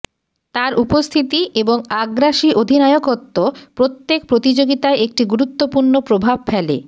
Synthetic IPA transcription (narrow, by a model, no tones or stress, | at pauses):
t̪aɾʔupost̪ʰit̪ieboŋaɡɾaʃiʔod̪ʱinajokot̪ːopɾot̪ːek̚pɾot̪id͡ʑoɡit̪aeek̚ʈiɡuɾut̪ːopuɾnopɾobʱab̚fʰɛlḛ